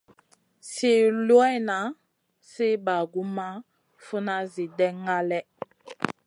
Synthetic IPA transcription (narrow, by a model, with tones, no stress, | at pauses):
si˦lwɛ˦na˨˦ | si˦ba˨ɡu˦ma˦ | fu˦na˦zi˨dɛ˦ŋɡa˦lɛ˦